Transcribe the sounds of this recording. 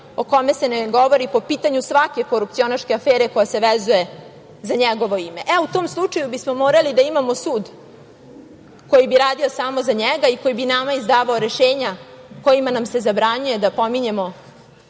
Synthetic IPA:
o̞ko̞me̞se̞neɡo̞ʋo̞ɾipo̞piːt̪aɲusʋake̞koɾup̚t̪sio̞naʃkʲeafeːɾeko̞jaseʋezuje̞ | zaɲɛɡo̞ʋo̞ime̞ʔɛut̪o̞ːmslˠut͡ʂajubismo̞moːɾalid̪aimamo̞suːd̪ | ko̞jibiɾaːd̪iosaːmozaɲɛɡaiko̞jibinamaizd̪aːʋaoɾe̞ʃeːɲa | ko̞jimanamse̞zabɾaɲuje̞d̪apo̞miɲe̞mo̞

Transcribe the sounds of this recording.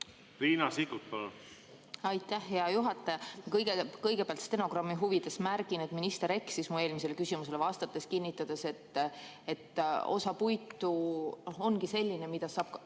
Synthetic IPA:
ɾiːnɑsikut̪̚pɑlun | ɑjt̪ːˑæhːeɑjuɦɑt̪ːˑɑjɑmɑkɤjɡ̥ekɤjɡepeɑlt̪st̪e̞no̞ɡ̥rɑmːiɦuvid̪̥e̞smærɡ̥ine̞t̪minist̪eɾe̞ksismue̞ːlmis̬e̞lkysimus̬e̞levɑst̪ɑt̪ːˑe̞skinʲːit̪ːˑɑd̪̥e̞se̞t̪ː | e̞t̪ːo̞̰sɑpujt̪ːˑunoho̞nɡise̞lʲːinemid̪̥ɑsɑːb̥̚k

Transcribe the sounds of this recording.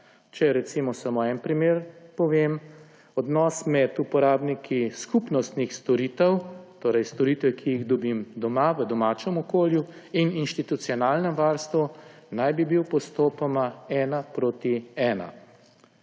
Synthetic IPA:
t͡ʃɛɾɛt̪simɔsamoɛnpɾimeːɾpɔʋem | ɔd̪nɔːsmɛd̪upɔɾaːbnikʰiskupnɔst̪nixst̪ɔɾit̪ɛwt̪oːɾɛjst̪ɔɾiːt̪ʋɛkʰijiɣd̪ɔbimd̪ɔmaʋəd̪ɔmaːt͡ʃɛmɔkoːlju | ininʃt̪it̪ut̪siɔnaːlnɛmʋaːɾst̪ʋunajbibiwpɔst̪oːpɔmaɛːnapɾoːt̪iɛːna̰

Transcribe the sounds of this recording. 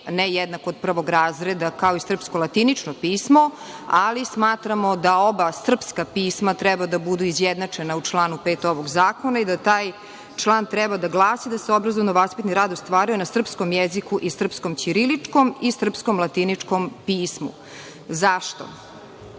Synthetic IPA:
nɛjɛd̪nakood̪̚pr̩ʋo̞ɡɾaːzɾed̪akao̞isr̩pskolˠat̪init͡ʂnopiːsmo | alismaːt̪ɾamod̪ao̞basr̩pskapiːsmat̪ɾɛbad̪abud̪uizjɛd̪nat͡ʂenaut͡ʂlˠaːnupeːt̪o̞ʋoɡzaːkonaid̪at̪aːj | t͡ʂlˠaːnt̪ɾɛbad̪aɡlˠaːsid̪aseobɾazovnoʋaspit̪niɾaːd̪ost̪ʋaːɾijonasr̩pskomjɛzikuʔisr̩pskomt͡ɕiɾilit͡ʂkomisr̩psko̞mlˠat̪init͡ʂkompiːsmṵ | zaʃt̪o̰

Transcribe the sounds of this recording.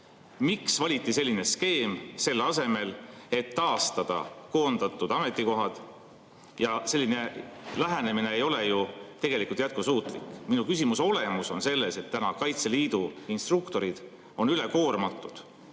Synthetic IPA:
miksvɑlʲit̪ːˑise̞lʲːine̞ske̞ːmse̞lːɑse̞me̞le̞t̪ːɑːst̪ɑd̪̥ɑ̰ko̞ːnd̪̥ɑt̪ːˑud̪̥ɑme̞t̪ːˑiko̞ɦɑd̪̥ | jɑse̞lʲːine̞læɦæne̞mine̞ejo̞le̞jut̪e̞ɡe̞likult̪jæt̪̚kusuːt̪ˑlikˑminukysimuso̞le̞muso̞nse̞lːe̞se̞t̪ːænɑkɑjt̪seliːd̪̥uinst̪rukt̪o̞ɾid̪̥ | o̞nyleko̞ːrmɑt̪ːˑud̪̥

